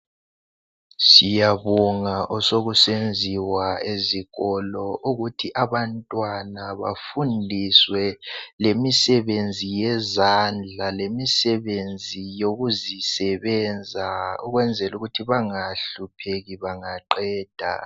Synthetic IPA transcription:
sijaβɔŋaʔɔsoɣusend͡zʱiwaeziɣɔlɔʔuɣutʰiʔaβantʼwanaβa̰fundʱiswɛlemisɛβend͡zʱijɛzand͡ɮʱalemisɛβend͡zʱijoɣuzisɛβɛnd͡zʱaɔ̰ɣwɛnd͡zʱɛluɣutʰiβaŋaɬupʰeɣiβaŋaǃɛːd̥ʱa̰

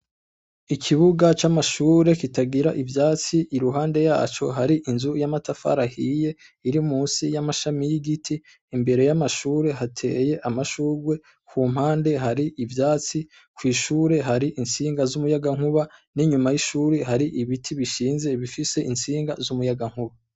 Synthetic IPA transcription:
ikʰiβuɡat͡ʃamaʃuːɾe̞kitaɡiɾaʔivjaːt͡siʔiɾuɦaːnde̞jaːt͡ʃo̞̰ɦaɾiʔinzujamatafa̰ɾahije̞ | iɾimuːnsijamaʃamijiɡitʰiː | mbe̞ɾe̞jamaʃuːɾe̞ɦatʰe̞̰ːje̞ʔamaʃuːɡwe̞ | kuːm̥haːnde̞ɦaɾiʔivjaːt͡si | kwiːʃuːɾe̞ɦaɾiʔinsiːŋɡazumujaɡaŋ̥huβaniɲumajiʃuːɾeɦaɾiʔiβitʰiβiʃiːnze̞βifise̞ʔinsiːŋɡa̰zumujaɡaŋ̥uβa

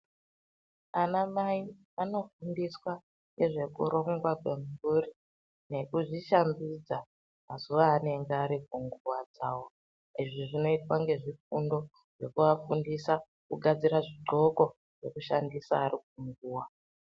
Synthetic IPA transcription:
anamai | ano̞fundiswa | ŋɡe̞ʐe̞kṵɾo̞ŋɡwakwe̞mururi | ne̞kuʐiʃambid͡za | mazuʋaːne̞ŋɡeaɾikuŋɡuwad͡zawo | iʐiʐino̞itwaŋɡe̞ʐifundo̞ | ʐ̥e̞kuʋafundisa | kuɡʱad͡ziɾaʐiǃo̞ko̞ | ʐ̥e̞kuʃandisa̰ːrik̚uŋɡuːwa

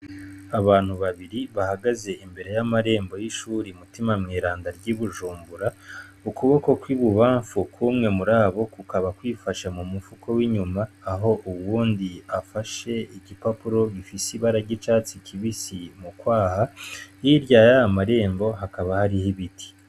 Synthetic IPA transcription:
aβaːn̥huβaβiɾiβahaɡaze̞imbe̞ɾe̞jamaɾe̞ːmbo̞jiʃuːɾimutimamŋiːɾaːndaɾɟiβuʒuːmbuɾaukuβo̞ko̞kwiβuβaːɱfukʰwumŋe̞muɾaːβo̞kukaβakwiːfaʃamumufukʰowiɲumaːɦo̞ʔuwuːndiafaʃe̞iɟipapuɾo̞βifisiβaɾaɟit͡ʃaːt͡sikʰiβisimukwaːhajiɾjajamaɾe̞ːmbo̞ɦakaβahaɾihiβiti̥

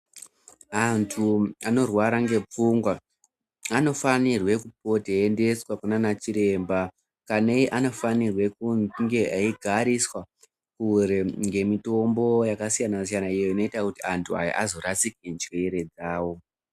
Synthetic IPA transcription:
antʰuano̞rwaɾaŋɡe̞p͡fuŋɡwa | ano̞fanirwe̞kupo̞teende̞swakunanat͡ʃiɾe̞mba | kaneiʔano̞fanirwe̞kŋɡe̞ʔaiɡʱaɾiswa | kuɾeŋɡe̞mito̞mbo̞jakasijanasijanaijo̞ino̞itakutiantʰua̰ja̰ʔazo̞ɾat͡sikend͡ʒeɾe̞d͡zaːwo̞

